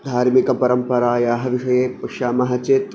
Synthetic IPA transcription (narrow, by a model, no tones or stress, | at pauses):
d̪ʱaːɾmikɐpɐɾɐmpɐɾaːjaːɦɐ̆ʋiʂɐjeːpɐkʂaːmɐɦɐt͡ʃeːt̪